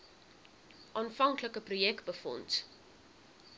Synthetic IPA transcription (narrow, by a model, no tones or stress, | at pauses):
ʔɑːnfɐŋkləkəprujɛkt̚bəfɔ̰nt